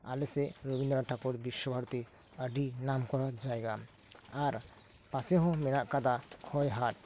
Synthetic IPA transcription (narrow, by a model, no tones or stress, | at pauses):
alɛsɛɾobind̪ɔɾaʈʰakuɾbiʃːɔbʱaɾt̪i | əɖinamkɔɾɔd͡ʒajɡa | aɾ | pasɛɦɔ̃mɛnaʔkad̪akʰɔjɦaʈ̚